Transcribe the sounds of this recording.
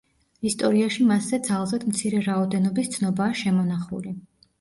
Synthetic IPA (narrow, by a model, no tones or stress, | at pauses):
ist̪ʼɔɾiaʃimasːɛd̪zalˠzɛd̪mt̪sʰiɾɛɾaɔd̪ɛnɔbist̪sʰnɔbaːʃɛmɔn̪aχṵli